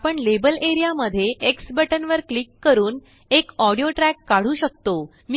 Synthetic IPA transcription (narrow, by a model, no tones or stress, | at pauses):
pəɳlebəleɾijaməd̪ʱːjeʔeksbəʈənʋəɾklikːəɾuːn | ekɔɽijoʈɾækːaɽ̤uːɕək̚t̪o | mi